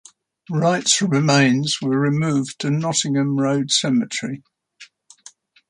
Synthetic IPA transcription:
ɹaɪtsɹɪmẽɪ̃nz̥wəɹɪmʉːvtʰənɒtɪ̃ŋə̃mɹəʊd̥sɛmət͡ʃɹ̥i

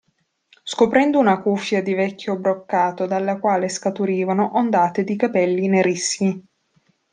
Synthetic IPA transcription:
skopɾɛnd̪ounakufːjad̪ivɛkʲːjobɾokːaːt̪od̪alːakwaːleskat̪uɾiːvanoʔond̪aːt̪ed̪ikapɛlːineɾisi

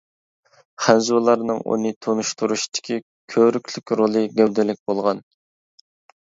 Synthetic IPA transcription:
χɛnzulˠɑɾnɨŋṵnɨt̪ʰonuʃt̪ʰuɾuʃt̪ʰɪ̥kʲʰi | kʲʰøɾykʲʰlykʲɾolˠɨɡʲɛwd̪ɪlɪk̚ʲbolˠʁɑn

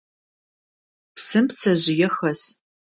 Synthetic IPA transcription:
psɨmpt͡sʰɐʑɪjɛxɐs

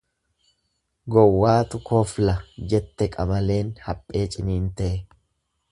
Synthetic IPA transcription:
ɡɔwːaːt̪ʊkʰɔflɐd͡ʒɛt̪ːɛkʼɐmɐle̞ːnhɐpʼːe̞ːt͡ʃʼɪniːnt̪ɛʔɛ

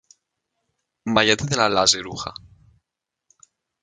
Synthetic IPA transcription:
majat̪eðelalazeɾuxa̰

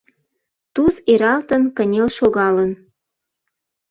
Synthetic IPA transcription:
t̪uzeɾɑlt̪ənkənʲelʃoɣɑlən

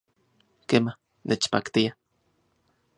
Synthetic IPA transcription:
kema | nʔet͡ʃpa̰kt̪ia

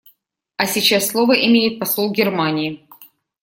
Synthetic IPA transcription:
ɐsʲɪt͡ɕasːlˠovəʔɪmʲejɪt̪̚pɐsˠolˠɡʲɪrmanʲɪɪ

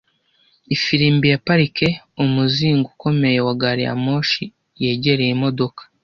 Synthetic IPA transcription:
ifiɾiːmbijapaɾike̞ | umuziːŋɡuko̞me̞jewaɡaɾija̰mo̞ːʃi | je̞ːɟe̞ɾejemo̞do̞kḁ

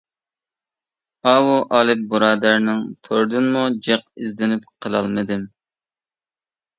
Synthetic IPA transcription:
ɑwuʔɑːlˠɨp̚buɾɑːd̪æɾnɪŋt̪ʰoɾd̪ɨnmud͡ʒɛq̚ɪzd̪ɪnɪp̚qʰəlˠɑ̰lˠmɨd̪ɪm

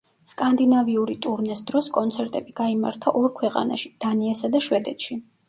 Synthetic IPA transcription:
skʼand̪inaviuɾit̪ʼuɾnɛsd̪ɾɔskʼɔnt̪sʰɛɾt̪ʼɛbiɡ̥aima̰ɾt̪ʰaʔɔɾkʰwɛqʼa̰na̰ʃi̥d̪̥aniɛsad̪aʃwɛd̪ɛt̪ʃi

